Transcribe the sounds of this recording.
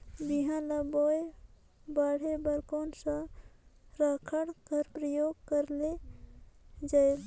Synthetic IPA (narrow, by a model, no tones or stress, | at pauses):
biɦãlaboːj | baːɽ̤ebəɾkoːnsã | ɾaːkʰəɽkəɾpɾəjoːɡkəɾle | d͡ʒaːe